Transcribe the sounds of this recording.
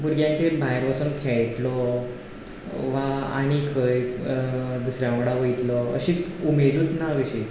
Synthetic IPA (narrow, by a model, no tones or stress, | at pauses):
buɾɡjãnt̪ebʱajɾʋasuːnkʰeɭʈ̪lɔ | ʋaa̰ɽ̃ikʰəj | d̪usɾjãmɽaʋəjt̪lɔə̰ɕiːt͡sumed̪uːt̪naʋiɕi